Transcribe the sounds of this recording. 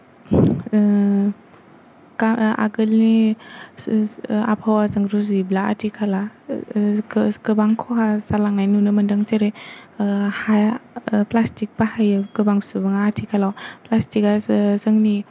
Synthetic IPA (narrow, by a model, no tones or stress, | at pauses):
kaa̰ɡɯlni | a̰pʰawazɯŋɾuziblaa̰tʰikʰala | kɯbaŋkʰɔɦasalaŋnajnunɯmɐndaŋt͡ʃeɾe | hajplastik̚pahajkɯbaŋsubɯŋaːtʰikʰalawplastikazɯŋni